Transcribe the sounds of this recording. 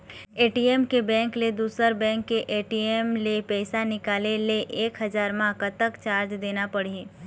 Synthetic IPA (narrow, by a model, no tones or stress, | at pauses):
eːʈieːmkebɛ̃ːŋkled̪uːsəɾbɛ̃ːŋkːeʔeːʈiemlepɛːɪsanɪkaːleleʔeːkɦɐzaːɾmãkət̪əkt͡ʃaːɾd͡ʒd̪eːnapɐɽi